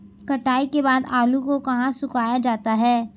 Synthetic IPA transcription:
kɐʈaːikebaːd̪aːlukokɐɦãsʊkaːjad͡ʒaːt̪aɦɛː

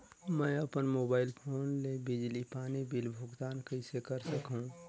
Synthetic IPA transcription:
mə̃ɐpənmoːbaːɪlpʰoːnlebɪd͡ʒlipaːnibɪlbʱʊɡt̪aːnkəɪsekəɾsəkɦũ

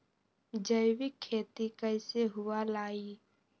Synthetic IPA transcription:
d͡ʒəjwɪkʰːeːt̪ikəɪseɦʊwalaːi

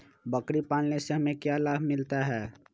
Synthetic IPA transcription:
bəkɾipaːnneseɦəmẽkjalaːbʱmɪlt̪aɦɛː

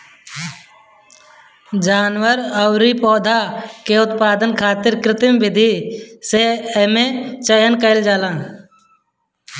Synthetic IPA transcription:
d͡ʒaːnwəɾəʊɾipɔːd̪ʱaːkeʊt̪paːd̪ənkʰaːt̪ɪɾkɾɪt̪ɪmʋɪd̪ʱiseemẽt͡ʃəjənkəɪld͡ʒaːlãː

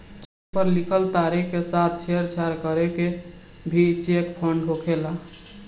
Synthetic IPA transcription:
t͡ʃek̚pəɾlikʰəlt̪aɾikesat̪̚ʰt͡ʃʰeəɾt͡ʃʰaɾkəɾeke | bʱit͡ʃekpʰəɳɖɦokʰela

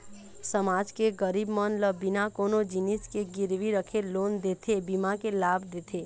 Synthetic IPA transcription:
səmaːd͡ʒkeɡəɾiːbmənləbɪnakoːnod͡ʒɪnɪskeɡɪɾwiɾəkʰeloːnd̪eːt̪ʰebimakelaːbd̪eːt̪ʰeː

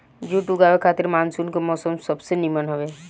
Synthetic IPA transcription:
d͡ʒuʈuɡaːʋekʰaːt̪ɪɾmaːnsuːnkemɔːsəmsɐbsenimənɦoʋeː

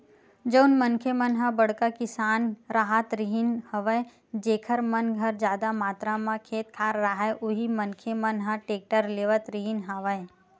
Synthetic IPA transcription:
d͡ʒəʊnmənkʰemənɦãbəɽkakɪsaːnɾaɦat̪ɾiɦɪnhɐʋəe | d͡ʒeːkʰəɾmɐnɡʱɐɾd͡ʒjaːd̪amaːt̪ɾamãkʰeːt̪̚kʰaːɾːaɦɛʔʊɦimənkʰemənɦãʈeːk̚ʈəɾleːʋət̪ɾiɦɪnɦaʋəe

